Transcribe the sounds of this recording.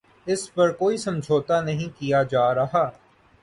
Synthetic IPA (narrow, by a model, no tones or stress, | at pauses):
ɪspɐɾkoːisɐ̃md͡ʒʱoːt̪anɐɦĩkijad͡ʒaːɾɐɦaː